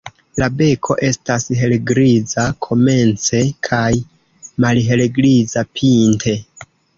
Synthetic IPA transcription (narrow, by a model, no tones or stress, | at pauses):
labe̞kʰo̞̰ʔe̞stasɦe̞leɡɾizakʰo̞me̞nt͡se̞kʰaj | malɦe̞leɡɾizapʰintʰe̞